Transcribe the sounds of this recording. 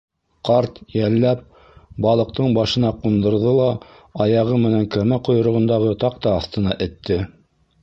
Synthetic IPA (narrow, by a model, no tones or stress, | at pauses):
qɑɾt̪jælːæp̚ | bɑlˠɤ̆q̚t̪ɤɴbɑʃɤ̆nɑqund̪ɤ̆ɾðɤlˠɑ | ɑjɑʁɤmɘ̆næŋkæmæqŏjŏɾŏʁɤ̆nd̪ɑʁɤt̪ɑqt̪ɑːθt̪ɤ̆nɑʔɘ̆t̪ːɘ